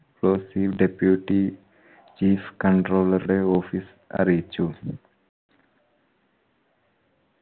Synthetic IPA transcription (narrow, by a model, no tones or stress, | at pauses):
kloːsiʋɖepjuʈi | t͡ʃiːfkə̃ɳʈɾoːləɾɖeoːfis | a̰ɾit͡ʃu